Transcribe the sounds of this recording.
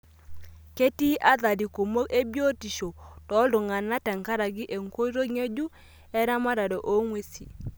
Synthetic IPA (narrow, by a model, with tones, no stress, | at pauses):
ke˦ti˦ʔa˦ða˨di˨ko˨mo˦ke˦bjo˦ti˨ʃo˨tɔ˨˦lʊ˨ŋa˨na˦tɛ˨ŋka˦ɾa˨ɡɪ˦ʔe˨ŋko˦ɾo˦ŋe˦d͡ʒu˦ | ɛ˦ɾa˦ma˦ɾa˨do˨ʔo˦ŋwe˦si˨